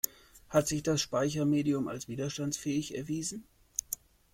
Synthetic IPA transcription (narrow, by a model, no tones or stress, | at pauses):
hatz̥ɪçd̥asʃpaɪçɐmeːdiʊma̰lsv̥iːdɐʃtantsfɛːɪçɛɐviːzn̩